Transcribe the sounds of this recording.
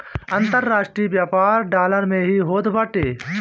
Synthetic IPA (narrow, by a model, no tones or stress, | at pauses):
ɐ̃nt̪əɾːaːʂʈɾiːʋjaːpaːɾɖaːləɾmẽɦiɦoːd̪bɐʈeː